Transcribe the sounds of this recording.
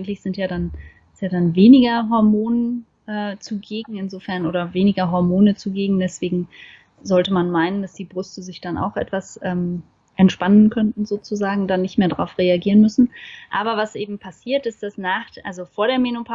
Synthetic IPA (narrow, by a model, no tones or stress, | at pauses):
ɡŋ̩tlɪçz̥ɪntjaːdan | jaːdanveːnɪɡɐɦɔɐmoːnən | ʔɛːt͡suɡeːɡŋ̩ɪnzoːfɛɐnʔoːɾɐveːnɪɡɐɦɔɐmoːnət͡suɡeːɡŋ̩dɛsv̥eːɡŋ̩ | zɔltəmanmaɪnənd̥asd̥iːbʁʏstəzɪçd̥ana̰ʊxʔɛ̰tv̥asʔɛːm | ʔɛntʃpanənkʰœntn̩zoːt͡suzaːɡŋ̩danːɪçtmeːɐdʁaʊfʁ̥eaɡiːʁənmʏsn̩ʔaːbɐvasʔeːbm̩pʰasiːɐtɪstd̥asnaːχʔalzofoːɐɾeːɐmenopʰa